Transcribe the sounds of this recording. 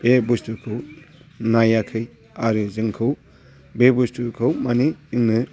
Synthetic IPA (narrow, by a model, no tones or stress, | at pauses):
ebustukʰɯw | najakʰɯj | aɾɯzɯŋkʰɯw | bebustukʰɯwmaniɯŋnɯ